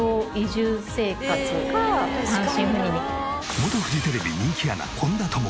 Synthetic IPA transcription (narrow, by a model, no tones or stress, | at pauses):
oːiʑɨːse̞ːkat͡sɨsãɰ̃ɕĩɰ̃ɸɯ̟ɲʲiɲi | mot̪oɸɯ̟ʑit̪e̞ɾe̞bʲḭɲʲĩŋkʲiana̰kʰõ̞nd̪at̪ʰomo